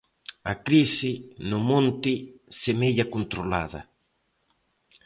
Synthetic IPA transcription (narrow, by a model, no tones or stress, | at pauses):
ɐkɾisɪnʊmõnt̪ɪsemeʎɐkont̪ɾola̰ðɐ̰